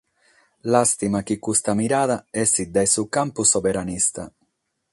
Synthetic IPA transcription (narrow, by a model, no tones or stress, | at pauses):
last̪imak̟ikːust̪amiɾaːðaɛsid̪ajsukampusovɛɾanist̪a̰